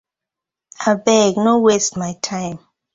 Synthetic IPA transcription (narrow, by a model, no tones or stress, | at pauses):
abɛɡnowestmajtʰãɪ̃m